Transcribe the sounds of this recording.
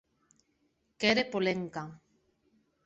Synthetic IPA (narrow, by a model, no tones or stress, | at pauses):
keɾepoleŋka